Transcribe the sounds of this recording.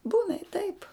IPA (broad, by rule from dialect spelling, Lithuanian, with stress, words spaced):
ˈbuːnɐ ɪ tɐɪp